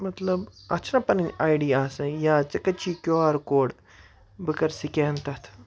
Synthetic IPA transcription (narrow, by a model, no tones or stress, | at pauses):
mɐt̪lɐbɐt͡ʃʰnɐpɐnɐɲaːjɖijaːsɐ̃jaːt͡sɐkɐt͡ʃʰiːkʲjoːaːɾkoːɽ | bɨkɐɾsikʲeːnt̪ɐt̪ʰ